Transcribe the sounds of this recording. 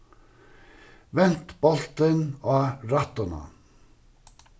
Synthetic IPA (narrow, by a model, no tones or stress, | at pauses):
ʋɛnt̪b̥ɔlt̪ənɑːɾɑt̪ənɑ̰